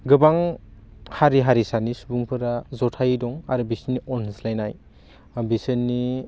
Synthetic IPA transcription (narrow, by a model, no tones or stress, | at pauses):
ɡɯbaŋ | haɾiɦaɾisanisubuŋpʰɯɾazɔtʰajdɔŋaɾɯbisinːiɔnslajnaj | bisinːi